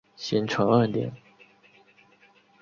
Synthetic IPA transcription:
ɕi˧˥nʈ͡ʂʰɤ˧˥ŋə˥˩nt̪jɛ̰˨˩˦n

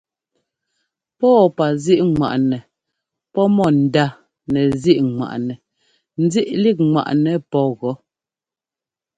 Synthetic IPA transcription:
pɔː˦˨pa˨zi˦ʔŋwa̰˨ʔnɛ˨ | pɔ˦mɔ˦˨n̩˨da˦˨ | nɛ˨zi˦ʔŋwa̰˨ʔnɛ˨ | n̩˦zi˦ʔli˦˨k̚ŋwa̰˨ʔnɛ˨pɔ˦ɣɔ˨˦

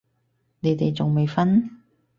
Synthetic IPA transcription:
ne˨˧˥jt̪e˨˩jt͡sʊ˨˩ŋme˨jfɐ˥n

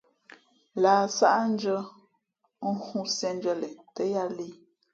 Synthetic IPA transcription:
laː˨sa˦ʔn̩˦d͡ʒə˦ | ŋ̩˦hũ˦sjɛ˦n˦d͡ʒə˦lɛ˨tə˦ja˦li˦

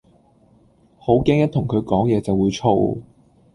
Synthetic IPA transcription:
ho˨˥wkɛː˥ŋjɐ˥t̪ʰʊ˨˩ŋkʰɵ˨˧ɥkɔː˨˥ŋjɛː˨˧t͡sɐ˨wːuː˨˧jt͡sʰo̰˥˧w

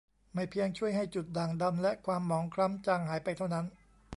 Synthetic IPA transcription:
ma˥˩jpʰi˧əŋt͡ɕʰu˥˩əjɦa˥˩jt͡ɕu˨˩t̪̚daː˨˩ŋda˧mlɛ˦˥ʔkʰwaː˧mːɔː˩˦ŋkʰɾa˦˥mt͡ɕaː˧ŋɦaː˩˦jpa˧jt̪ʰa˥˩wna˦˥n

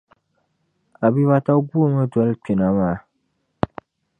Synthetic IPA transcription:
a˨bi˦βa˦ta˦ɡu˦o˨ma˦dɔ˨˦lk͡pi˨na˨maː˦˨

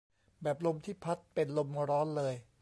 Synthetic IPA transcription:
bɛː˨˩p̚lo˧mt̪ʰiː˥˩pʰa˦˥t̪̚pe˧nlo˧mɾɔː˦˥nlɤː˧j

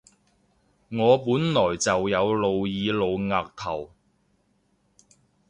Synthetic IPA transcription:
ŋɔː˨˧puː˨˥nlɔː˨˩jt͡sɐ˨wjɐ˨˧wlo˨wjiː˨˧lo˨˧wŋaː˨k̚t̪ʰɐ˨˩w

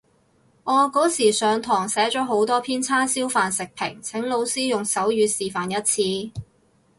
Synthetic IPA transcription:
ʔɔː˨˧kɔː˨˥siː˨˩sœː˨˧ŋt̪ʰɔː˨˩ŋsɛː˨˥t͡ʃɔː˨˥ɦo˨˥wt̪ɔː˥pʰiː˥nt͡sʰaː˥siː˥wfaː˨nsɪ˨k̚pʰɪ˨˩ŋt͡sʰɪ˨˥ŋlo˨˧wsiː˥jʊ˨ŋsɐ˨˥wjyː˨˧siː˨˩faː˨njɐ˥t̚t͡sʰiː˧

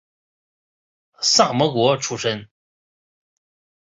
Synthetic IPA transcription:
sa˥˩mɔ˧˥kwɔ˧˥ʈ͡ʂʰu˥˩ʂə˥n

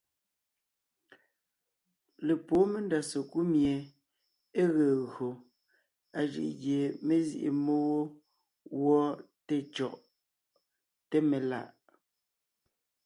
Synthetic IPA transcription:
le˨poː˨˦me˦nda˨so˨ku˦mje˨ | e˦ɣeː˨ɣo˨ | a˨ʒḭ˨ʔɣje˨me˦zḭ˨ʔḛ˨mo˦wo˦ | wɔ˦ | te˦t͡ʃɔ˨ʔ | te˦me˨la̰˦˨ʔ

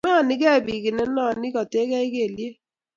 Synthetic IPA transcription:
nɔ˦˨nɪ˦kɛ˦˨bi˨kɪ˨nɛ˦nɔ˦˨nɪ˦kɔ˨te˦kɛ˦ɪ˦ke˦˨lje˦

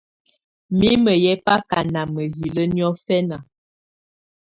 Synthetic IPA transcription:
mi˦mə˨jɛ˦pa˦ka˨na˨mə˨ɦi˨lə˦njɔ˦fɛ˦na˨

